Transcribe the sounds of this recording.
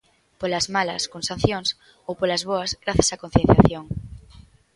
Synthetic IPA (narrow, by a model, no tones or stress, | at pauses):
polazmalɐ̰skõnsãn̟θjõŋs | owpolazβoazɣɾaθjasakon̟θjẽn̟θjaθjõŋ